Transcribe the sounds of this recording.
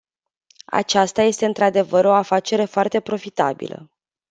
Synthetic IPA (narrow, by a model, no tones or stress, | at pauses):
a̰t͡ʃast̪aje̞st̪e̞ɨnt̪ɾad̪e̞vəɾo̞afat͡ʃe̞ɾe̞foart̪e̞pɾo̞fit̪abḭlʔə̰